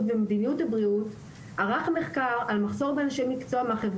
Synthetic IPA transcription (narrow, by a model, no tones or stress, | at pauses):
tvemedinijutabʁiut | aʁaχme̞χkaʁalmaχso̞ʁbeanʃejmikt͡soameaχev